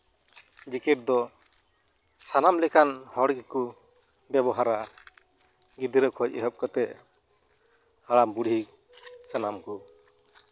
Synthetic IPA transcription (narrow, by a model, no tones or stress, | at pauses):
d͡ʒikɛʈ̚d̪ɔ | sanamlɛkanhɔɽɡiku | bɛbɔɦaɾa | ɡid̪iɾəkʰɔc̚ɛ̰ɦɔp̚kɔt̪ɛʔ | haɽambuɽʱi | sanamku